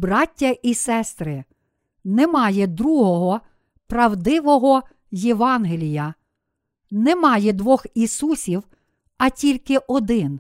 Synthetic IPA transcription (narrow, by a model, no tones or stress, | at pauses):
bɾɑtʲːɐʔisɛst̪ɾɪ | nɛmɑjɛd̪ɾuɦɔɦɔ | pɾɐwd̪ɪʋɔɦɔ | jeʋɑnɦelʲijɐ | nɛmɑjɛd̪ʋɔxisusʲiw | ɐtʲilʲkɪʔɔd̪ɪn